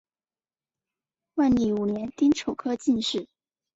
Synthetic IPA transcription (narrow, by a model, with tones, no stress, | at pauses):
wa˥˩nli˨˩u˨˩ljɛ˧˥nt̪i˥ŋʈ͡ʂʰo˨˩ʊkʰɤ˥t͡ɕi˥˧nʂɻ̩˥˩